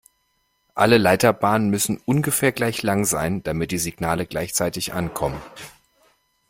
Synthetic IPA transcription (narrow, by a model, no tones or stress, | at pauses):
ʔaləlaɪtɐbaːnənmʏsn̩ʔʊnɡəfɛːɐɡlaɪçlaŋzaɪnd̥amɪt̚d̥iːziɡnaːləɡlaɪçt͡saɪtɪçʔa̰nkʰɔmən